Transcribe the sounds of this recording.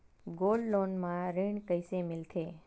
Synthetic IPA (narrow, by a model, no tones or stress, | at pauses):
ɡolɖlonmãɾiɳkəjsemɪlt̪ʰe